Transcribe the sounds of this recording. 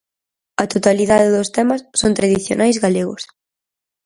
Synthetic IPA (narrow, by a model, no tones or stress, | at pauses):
ɐt̪ot̪aliðaðɪðost̪ɛmɐsːont̪ɾaðiθjonʔajzɣaleɣʊ̰s